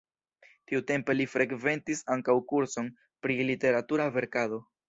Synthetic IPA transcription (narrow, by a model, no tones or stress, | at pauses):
tiute̞mpe̞lifɾʔe̞kve̞ntisaŋkawkuɾso̞n | pɾilite̞ɾatuɾave̞ɾkado̞